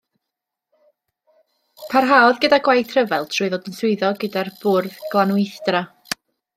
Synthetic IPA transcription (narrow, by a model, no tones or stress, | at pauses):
pʰarɦaːɔðɡədaɡwajtʰrəvɛlˠtʰrʊɨðodənsʊɨðɔɡədarb̥ʊrðɡ̥lˠanwɪjθdra